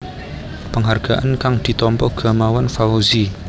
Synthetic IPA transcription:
pəŋɦarɡ̥aʔankaŋd̪̥i̤t̪ɔmpɔɡ̥a̤mawanfaozi

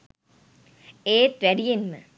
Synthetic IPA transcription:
eːt̪ʋæɖijenmə̰

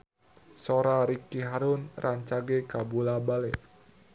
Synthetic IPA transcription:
soɾaɾikiɦaɾʊnrʔaɲt͡ʃaɡekabulabalɛ

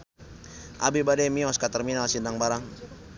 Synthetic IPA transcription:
ʔa̰bibadɛmiɔskat̪ərminalsindaŋbaɾaŋ

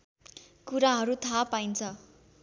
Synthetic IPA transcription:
kuɾaɦʌɾut̪ʰapaint͡sʰʌ

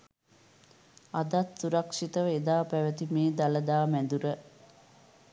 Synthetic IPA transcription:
ad̪at̪suɾɐkʂit̪əʋed̪aːpæʋət̪imeːd̪aləd̪aːmænd̪uɾə

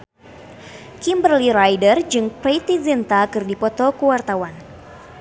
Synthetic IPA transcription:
kimbərliɾajdərd͡ʒɨŋpejt̪izint̪akɨrdipɔt̪ɔkuwart̪awan

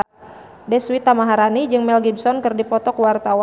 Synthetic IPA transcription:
dɛswit̪amaɦaɾanid͡ʒɨŋmɛlɡibsɔnkɨrdipɔt̪ɔkwart̪awa

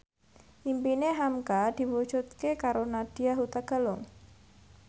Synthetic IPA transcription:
ʔimpineɦamkad̪̥i̤wud̥ʒ̥ut̪̚kekaɾonad̥iaɦut̪aɡ̥a̤lʊŋ

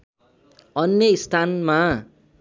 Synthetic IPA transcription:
ʌnjʌist̪ʰanma

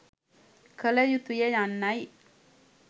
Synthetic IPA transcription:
kʰələjut̪ujəjanːaj

